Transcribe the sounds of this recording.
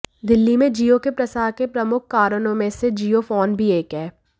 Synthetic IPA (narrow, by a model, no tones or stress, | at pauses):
d̪ɪlːimẽd͡ʒijokepɾɐsaːɾkepɾɐmʊk̚ʰkaːɾənõmẽsed͡ʒiːjofɔːnbʱieːkɦɛː